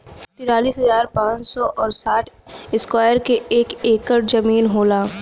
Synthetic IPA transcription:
t̪ɪɾaːliːsɦɐzaːɾpãːt͡ʃsɔʔɔːɾsaːʈʰɪskwaːjəɾkeeːkeːkəɾd͡ʒɐmiːnɦoːlaː

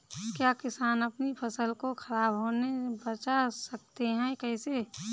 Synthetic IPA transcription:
kjakɪsaːnəpnipʰəsəlkokʰəɾaːbɦoːnebət͡ʃasəkt̪eɦɛ̃kɛːse

